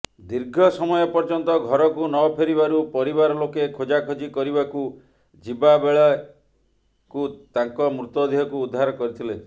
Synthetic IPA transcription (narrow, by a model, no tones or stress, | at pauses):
d̪iɾɡʱɔsɔmɔjɔpɔɾd͡ʒɔnt̪ɔɡʱɔɾɔkunɔpʰeɾibaɾupɔɾibaɾɔlokekʰod͡ʒakʰod͡ʒikɔɾibaku | d͡ʒibabeɭa | kut̪aŋkɔmɾut̪ɔd̪iɦɔkuːd̪ʱːaɾɔkɔɾit̪ʰile